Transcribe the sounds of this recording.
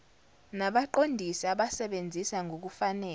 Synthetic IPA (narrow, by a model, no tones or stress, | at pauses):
naɓaǃondʱisiaɓasɛɓend͡zʱisaŋʱok̬ufanɛː